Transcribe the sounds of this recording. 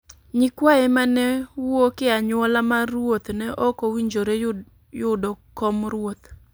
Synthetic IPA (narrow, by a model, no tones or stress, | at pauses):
ɲɪkwaɛmanɛwokɪaɲwɔlamaɾwot̪nɛʔɔkowiɲd͡ʒoɾe | jʊdɔkɔmɾwot̪